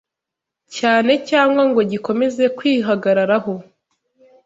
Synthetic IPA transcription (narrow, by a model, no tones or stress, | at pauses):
caːne̞caːŋɡwaŋɡo̞ɟiko̞me̞ze̞kwiːɦaɡaɾaɾaɦo̞